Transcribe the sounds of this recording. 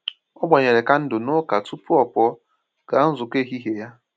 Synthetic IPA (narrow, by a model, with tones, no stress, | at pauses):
ɔ˦ɡ͡ba˨ɲe˨ɾe˨ka˦n̩˦dʊ˨nʊ˦ka˨tu˦pʊ˦ɔ˨pɔ˨˦ | ɡ̥a˨˦n̩˦zʊ˨ke˦ɦi˦ɦe˨ja˦